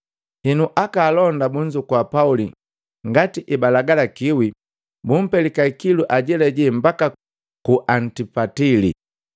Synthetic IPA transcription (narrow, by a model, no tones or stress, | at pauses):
hinuʔakaːlɔndabuɲd͡ʒukwapauli | ŋɡatiʔibalaɡalakiwi | bum̩pɛlikaikiluʔaɟɛlɛɟɛmbaka | kuʔantipatili